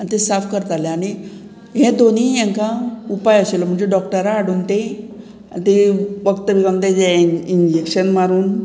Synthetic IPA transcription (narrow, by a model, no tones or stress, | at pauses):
anit̪esafkəɾt̪aleañi | ɦẽd̪onijɛ̃ŋkaupajəɕelɔm̤əɳd͡ʑeɖɔk̚ʈəɾaːɽunt̪e | a̰nit̪eʋəkt̪əʋikant̪ed͡ʑaiɲd͡ʑekɕənmaɾuːn